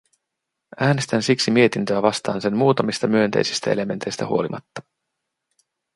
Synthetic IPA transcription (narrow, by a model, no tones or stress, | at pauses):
æːne̞st̪ænsiksimie̞t̪int̪øæʋɑst̪ɑːnse̞mmuːt̪ɑmist̪ɑmyø̞nt̪e̞̰jsi̥st̪æ̰e̞le̞me̞nt̪ejst̪æ̰hṵo̞limʔɑ̰t̪ːɑ̥